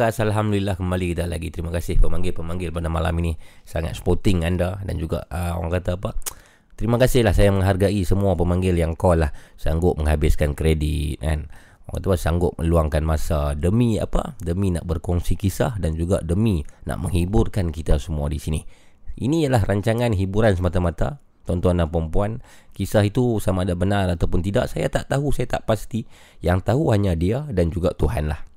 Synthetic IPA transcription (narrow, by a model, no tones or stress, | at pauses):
asalɦamdulilahkəmbalikit̪ala̰ɡit̪əɾimakasɪhpəmaŋɡɪlpəmaŋɡɪlpadamalaminisaŋa̰t̪̚sə̥pot̪ɪŋandada̰nd͡ʒuɡa̰ʔəo̰ɣa̰ŋkat̪aːpa | t̪əɾimakasɪhlahsajaməŋɦarɡaʔisəmuapəmaŋɡɪljaŋkalahsaŋɡʊt̪̚məŋɦabɪskankɾedɪt̪̚a̰n | ɣa̰ŋkat̪apasaŋɡʊt̪̚mʔə̰luaŋkanmasadəmia̰pa̰dəminaʔbərkɔŋsikisa̰hdand͡ʒuɡa̰dəmina̰ʔməŋhibʊrkankit̪asəmuadisini | ʔinijalaɦraɲt͡ʃaŋanɦibuɾansəmat̪amat̪a̰ | t̪ɔnt̪ɔnːapəɾəmpuan | kisaɦit̪usamaːdabənarat̪awpʊnt̪idaʔsajat̪aʔt̪aɦusajat̪aʔpast̪i | jaŋt̪aɦuɦaɲadiadand͡ʒuɡaʔt̪uɦanlah